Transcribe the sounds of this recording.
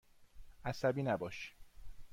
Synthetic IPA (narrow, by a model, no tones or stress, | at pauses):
ʔæsæbiːnæbɒːʃ